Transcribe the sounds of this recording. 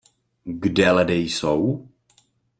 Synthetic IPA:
ɡdɛladɛjsow

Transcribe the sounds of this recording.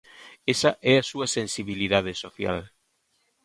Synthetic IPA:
esɐʔɛasuɐsensiβiliðað̞esoθja̰l

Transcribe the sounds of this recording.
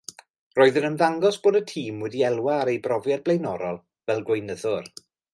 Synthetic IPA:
roːɨðənənðaŋɡɔsb̥oːdətʰiːmwɛdiɛlˠwaːɾejbrɔvjad̚blˠejnɔɾɔlˠ | vɛlˠɡwejnəðʊr

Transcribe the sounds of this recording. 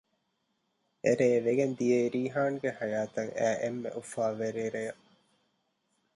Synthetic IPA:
eɾeːʋeɡend̪ijeiɾiːɦaːŋɡehɐjaːt̪ɐŋʔæːʔemːḛʔufaːʋeɾeːɾejɐʔ

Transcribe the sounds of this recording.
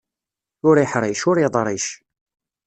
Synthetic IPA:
ʊɾiħɾˤiʃʊɾiðˤɾˤiʃ

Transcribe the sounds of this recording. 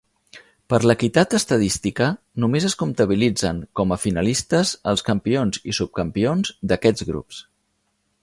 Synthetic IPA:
pəɾləkit̪at̪əst̪əðist̪ikə | numezəskunt̪əβ̞ilid͡zəŋkɔməfinəlist̪əzəlˠskəmpionzḭsup̚kəmpionzd̪əkɛd͡zɣɾṵps

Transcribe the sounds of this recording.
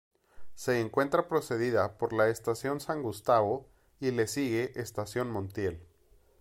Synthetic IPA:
se̞ːŋkwe̞nt̪ɾapɾo̞se̞ðiðapo̞ɾlaest̪asjo̞nsaŋɡust̪aβo | ile̞siɣe̞ʔest̪asjo̞nmõnt̪je̞l

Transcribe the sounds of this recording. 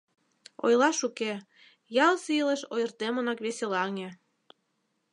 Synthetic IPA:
o̰jlɑʃuke | jɑlsiləʃojərt̪emənɑkβeselɑŋe

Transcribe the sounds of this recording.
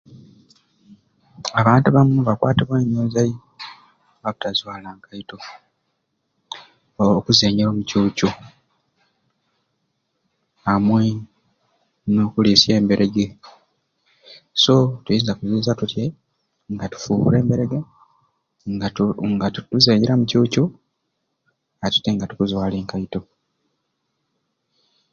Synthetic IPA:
aβaːntuβamuβakwa̰ːteβweːɲoːzaji | βaβu̥tazwaːlaːŋkajito̞ | okuzeːɲeɾo̞ːmucuːco | amwe | no̞ːkulisie̞ːmbe̞ɾʔeɡe | so̞tujiːnzakuziːnzatutje | ŋɡatu̥fuːβṵɾe̞ːmbe̞ɾe̞ɡe | ŋɡatutuzeːɲiɾamucuːcu | atu̥teŋɡatukuzwaːleːŋkaito̞

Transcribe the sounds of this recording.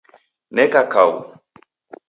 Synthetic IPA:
nɛkakaṵ

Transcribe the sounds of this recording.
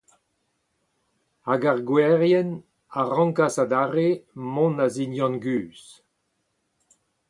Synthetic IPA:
aɡaʁɡwɛʁjɛn | aʁɑ̃ŋkasad̪aʁemɔ̃nazinjɑ̃nɡyːs

